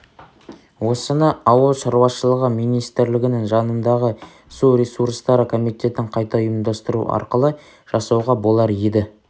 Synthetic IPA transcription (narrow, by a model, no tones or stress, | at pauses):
wo̞sənəɑwəlˠʃɑɾwɑʃəlˠəʁəmijnijst̪ɪɾlɪɡʲɪnɪŋʒɑnənd̪ɑʁə | suɾʲe̞suɾst̪ɑɾəkʰo̞mijt̪ʲe̞t̪ɪɴqʰɑjt̪ɑjəmd̪ɑst̪əɾṵɑ̰ɾqəlˠə | ʒ̥ɑsɑwʁɑbo̞lˠɑɾed̪ɪ